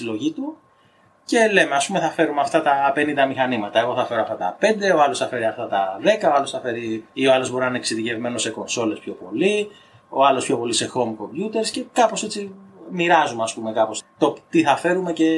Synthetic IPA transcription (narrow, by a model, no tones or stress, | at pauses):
ilo̞ʝit̪u | ce̞le̞meɐspumeθɐfe̞ɾumeɐft̪ɐt̪ɐpe̞nind̪ɐmixɐnimɐt̪ɐeɣo̞θɐfe̞ɾoɐft̪ɐt̪ɐ̰pe̞nd̪e̞o̞ɐlo̞sθɐfe̞ɾiɐft̪ɐt̪ɐðe̞kɐoɐlo̞sθɐfe̞ɾiio̞ɐlo̞zbo̞ɾinɐneksiðice̞vme̞no̞se̞ko̞nso̞le̞spço̞po̞li | o̞ɐlo̞spço̞po̞lise̞xo̞mko̞mbjut̪e̞ɾsce̞kɐpo̞set͡simiɾɐzumeɐspume̞kɐpo̞st̪ot̪iθɐfe̞ɾume̞ce̞